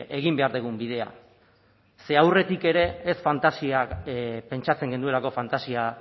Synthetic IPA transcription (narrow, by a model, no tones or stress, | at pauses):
ʔe̞ɣ̞imbe̞aɾðeɣ̞umbið̞e̞a̰ | se̞awre̞t̪ike̞ɾe̞ːsfant̪asiape̞nt͡ʃat͡se̞ŋɡe̞nd̪ue̞lako̞fant̪asia